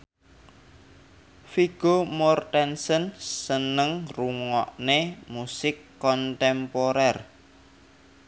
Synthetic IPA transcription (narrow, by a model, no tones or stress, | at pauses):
fiɡ̥omɔrt̪ɛnsənsənəŋruŋɔʔnemusɪkːɔnt̪ɛmpoɾɛr